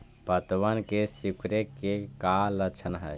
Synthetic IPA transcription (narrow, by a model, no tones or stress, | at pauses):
pət̪ʋənkesikɾekːekalət͡ʃʰənɦə̰j